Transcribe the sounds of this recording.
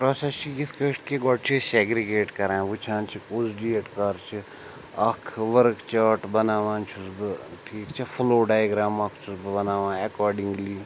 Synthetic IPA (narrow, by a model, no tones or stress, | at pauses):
pɾoːsest͡ʃʰiɡit̪ʰkeʂʈkeɡɔʈ̚t͡ʃʰiseɡɾiɡeːʈkɐɾãːʋut͡ʃʰãːnt͡ʃʰikuːzɖieʈkaɾt͡ʃʰi | ɐkʰʋɐɾkt͡ʃaːʈbɐnaːʋãːnt͡ʃʰusbɨʈʰiːkt͡ʃʰɛfʰuloːɖaːjɡɾaːmɐkʰt͡ʃʰusbɨbɐnaːʋãːɐkɔːɾɖiŋɡliː